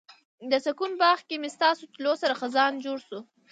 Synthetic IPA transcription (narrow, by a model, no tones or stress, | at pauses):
d̪əsakunbɑxkemest̪ɑsot̪losaɾaxazɑnd͡ʒoɽsu